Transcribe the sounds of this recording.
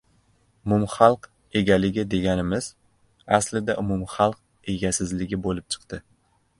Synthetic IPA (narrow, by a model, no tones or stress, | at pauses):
ʊmumχɑlˠq | e̞ɡʲalɪɡʲɪd̪e̞ɡʲanɪmɪz̥ | aslɪd̪aʔʊmʊmχɑlˠq̚ | e̞ɡʲasɪzlɪɡʲɪbolɪp̚t͡ʃʰɨ̥qt̪ɪ